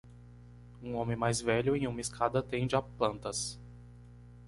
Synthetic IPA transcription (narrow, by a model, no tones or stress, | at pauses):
ũõmẽmajzvɛʎʊẽj̃ũmɐiskʰad̪ɐt̪ẽd͡ʒɪaplɐ̃nt̪ɐs